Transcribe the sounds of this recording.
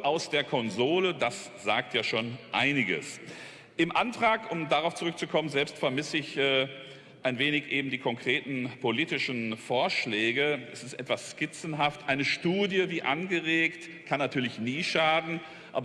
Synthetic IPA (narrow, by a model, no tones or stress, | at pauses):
ʔaʊsd̥eːɐkʰɔnzoːlədas | z̥aːk̚tʰjaːʃoːnʔaɪnɪɡə̰s | ʔɪmʔantʁ̥aːkʊmdaʁaʊft͡suʁʏk̚t͡sukʰɔmənzɛlpstfɛɐmɪsəɪçː | ʔaɪnveːnɪçʔeːbm̩diːkʰɔŋkʁ̥eːtn̩pʰoliːtɪʃn̩foːɐʃlɛːɡəʔɛsɪstʔɛtv̥asʃkɪt͡sn̩ɦaftʔaɪnəʃtuːdjəviːʔanɡəʁeːkt | kʰanːatʰyːɐlɪçniːʃaːdn̩ | ʔaːbɐ